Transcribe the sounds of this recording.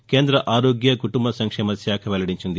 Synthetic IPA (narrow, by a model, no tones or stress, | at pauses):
keːnd̪ɾɐʔaːɾoːɡjɐkuʈumbɐsɐŋkʂeːmɐsjaːkʰɐʋɛlɐɽiɲt͡ʃind̪i